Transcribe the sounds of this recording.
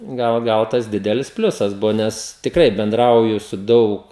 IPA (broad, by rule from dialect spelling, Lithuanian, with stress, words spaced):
ˈɡɐlˠ ˈɡɐlˠ tɐs ˈdʲɪdʲɛlʲɪs ˈpʲlʲʊsɐs ˈbʊʋoː ˈnʲɛs tʲɪkˈrɐɪ bʲɛnˈdrɐʊjʊ sʊ ˈdɐʊk